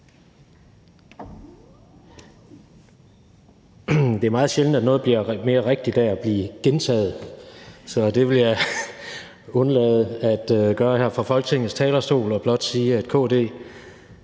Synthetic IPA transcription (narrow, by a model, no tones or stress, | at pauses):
d̥e̝æɐmɑ̈ːð̩ˠɕeln̩d̥æd̥nɔ̽ːðˠb̥liɐme̝ːɐʁeɡ̥̚d̥i̥æɐæb̥liːɡ̥ent͡sʰɛ̰ːð̞̩ˠsɒ̽d̥e̝ʋe̝ljɑ | ɔ̽nlɛːð̩ˠæd̥ɡ̥ɶːɐhæɐ̰fʁɑ̈fɒ̽lɡ̥t͡sʰe̝ŋn̩st͡sʰɛːlɐsd̥o̝̰ːlɒ̽b̥lɒ̽d̥siːæd̥̚kʰo̝̽ːd̥e̝̰ː